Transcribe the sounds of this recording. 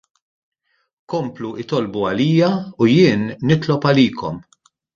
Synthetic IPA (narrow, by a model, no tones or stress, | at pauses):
kɔmpluʔɪt̪ɔlbuɐliːjɐujɪːnːɪt̪lɔpɐliːkʰɔ̰m